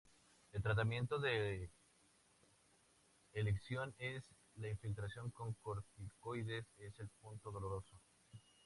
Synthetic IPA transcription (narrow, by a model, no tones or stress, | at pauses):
elt̪ɾat̪̬amje̞nt̪o̞ðe | leksjo̞ne̞s | laiɱfilt̪ɾasjo̞ŋko̞ŋkoɾt̪ikojðe̞se̞se̞lpunt̪o̞ðo̞loɾo̞so